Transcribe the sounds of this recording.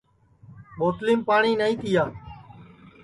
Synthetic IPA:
ɓoːt̪liːmpaːɳiːnaĩːt̪ɪjaː

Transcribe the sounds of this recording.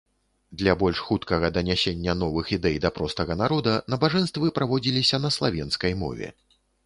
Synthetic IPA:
d̪lʲɐbɔlʲʂxut̪kɐɣɐd̪ɐnʲasʲenʲːɐnɔvɨxid̪ɛjd̪ɐpɾɔst̪ɐɣɐnaɾɔd̪ɐnɐbaʐɛnst̪vɨpɾavɔd͡zʲilʲisʲɐnɐslˠavʲɛnskɐjmɔ̰vʲɛ̰

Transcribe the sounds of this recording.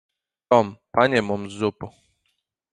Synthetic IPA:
t̪ɔmpaɲɛmɔmzːupu

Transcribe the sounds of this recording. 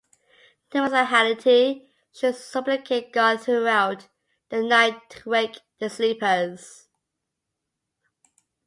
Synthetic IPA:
tʰə̃məsaɦalɪtʰi | ʃəsʌblɪkʰeɪt̚ɡ̥ɑdθɹuaʊt | ðənaɪtʰəweɪkðəsliˑpəz̥

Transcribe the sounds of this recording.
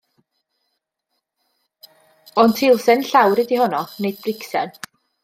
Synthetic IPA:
ɔntʰɪlˠsɛnɬawɾɪdihɔnɔnejd̥̚brɪksɛn

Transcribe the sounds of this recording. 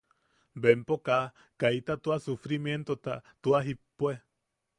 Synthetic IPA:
bempoka | kajt̪at̪uasufɾimjent̪ot̪at̪uaɦipːwe

